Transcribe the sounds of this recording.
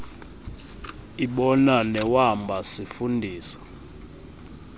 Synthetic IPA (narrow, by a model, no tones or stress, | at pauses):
iɓɔnanɛwambʱasifundʱiːsḁ